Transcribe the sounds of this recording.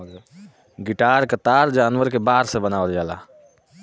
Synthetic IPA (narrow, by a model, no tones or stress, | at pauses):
ɡɪʈaːɾkat̪aːɾd͡ʒaːnʋəɾkebaːɾsebənaːʋəld͡ʒaːla̰ː